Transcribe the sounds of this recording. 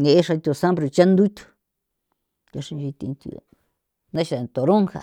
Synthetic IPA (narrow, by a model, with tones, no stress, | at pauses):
nẽ˨e˦ʂa˧t̪ʲu˧˨sã˦mbɾi˧t͡ʃa˦nd̪u˦i˦t̪u̥˧ | ka˧ʂĩ˧nd͡ʒi˧t̪ḭ˧t̪ṵ˧˨ | nã˦ʃa˨t̪o˨ɾõ˦ŋxa̰˨